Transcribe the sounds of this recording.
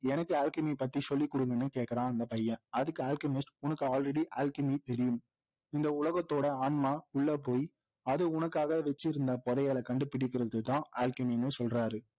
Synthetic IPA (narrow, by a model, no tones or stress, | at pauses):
ɛnɐkːɯaːlkɐmipɐt̪ːisɔlːikːʊɽɯŋɡɐnːɯkeːʈkɐɾãːɐnd̪ɐpɐjːɐ̃ɐðɯkːɯaːlkɐmɪsʈʊnɐkːɯaːlrɛɽiʔaːlkɐmit̪ɛɾɪjɯm | ɪnd̪ɐʊlɐɣɐt̪ːoːɽɐaːɳmaːʊɭːɐp̬oːj | ɐðɯʊnɐkːaːɣɐʋɛt͡ʃːɪɾɯnd̪aːpɔðɐjaːlɐkɐɳɖɯpɪɽɪk̬ːɪɾɐðɯt̪ːãːʔaːlkɐminːɯsɔlraːɾɯ